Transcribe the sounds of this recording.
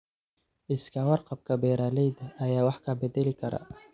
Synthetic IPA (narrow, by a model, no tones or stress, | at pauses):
ʔɪskʰɐwɑrqɑb̚kʰɐbɛːɾaːlɛjd̪ɐʔːjaːwɑħkʰɐbɛdɛlɪkʰɐɾɐ̰